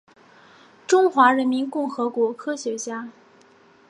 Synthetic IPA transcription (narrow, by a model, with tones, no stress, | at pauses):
ʈ͡ʂʊ˥ŋxwa˧˥ɻə˧˥nmi˧˥nkʊ˥˩ŋxɤ˧˥kwɔ˧˥kʰɤ˥ɕɥɛ˧˥t͡ɕja˥